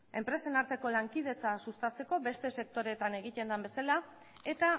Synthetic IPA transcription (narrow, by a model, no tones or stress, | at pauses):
e̞mpɾe̞se̞naɾt̪e̞ko̞laŋkið̞e̞t͡sasust̪at͡se̞ko̞be̞st̪e̞se̞k̚t̪o̞ɾe̞t̪ane̞ɣ̞it̪e̞nd̪ambe̞sala | e̞t̪a